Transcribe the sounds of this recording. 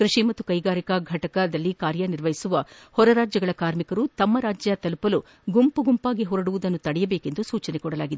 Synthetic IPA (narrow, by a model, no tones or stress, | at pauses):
kɾiʂimɐt̪ːukɐjɡaːɾikɐɡʱɐʈɐkɐd̪ɐlːikaːɾjɐniɾʋɐɦisuʋɐhɔɾɐɾaːd͡ʒjɐɡɐɭɐkaːɾmikɐɾut̪ɐmːɐɾaːd͡ʒjɐt̪ɐlupɐlu | ɡumpuɡumpaːɡiɦɔɾɐɽuʋud̪ɐnːut̪ɐɽɛjɐbeːke̞nd̪usuːt͡ʃɐnekɔɽɐlaːɡid̪ee